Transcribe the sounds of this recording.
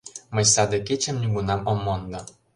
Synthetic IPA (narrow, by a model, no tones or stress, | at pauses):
məjsɑd̪eket͡ɕĕmnʲyɡunɑmomːond̪ɤ